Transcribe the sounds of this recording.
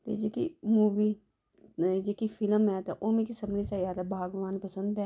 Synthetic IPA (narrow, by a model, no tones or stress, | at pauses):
t̪ḛːd͡ʒeːkḭmuːʋiː | d͡ʒeːkifʰɪləmɛːt̪ɛʔoːmẽkisəbnesaːjaːd̪abʱaːɡʋaːnpəsə̃nd̪ɛː